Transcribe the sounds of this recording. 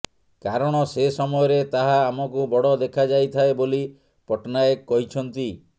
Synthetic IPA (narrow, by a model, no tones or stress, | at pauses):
kaɾɔɽ̃ɔsesɔmɔjɔɾet̪aɦaːmɔkubɔɽɔd̪ekʰad͡ʒajt̪ʰaeboli | pɔʈnaekːɔɦit͡ʃʰɔnt̪i